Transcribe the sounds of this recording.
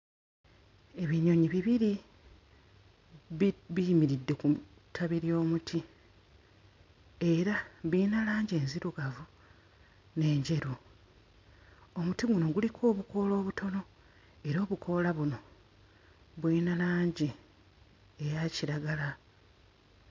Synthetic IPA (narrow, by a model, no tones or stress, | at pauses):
e̞βiɲo̞ɲiβiβiɾi | βijmiɾidːeku | tʰaβiɾjo̞ːmutʰi | e̞ɾaβinalaːɲɟe̞ːnziɾuɡavu | ne̞ːɲɟe̞ɾu | omutiɡuno̞ɡulikʰo̞ːβuko̞lo̞ːβutʰo̞no̞ | e̞ɾo̞ːβukʰo̞laβuno̞ | βwinalaːɲɟi | ejaciɾaɡala